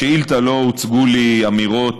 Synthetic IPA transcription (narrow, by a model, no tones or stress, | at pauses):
eilt̪alout͡sɡuliamiʁo̞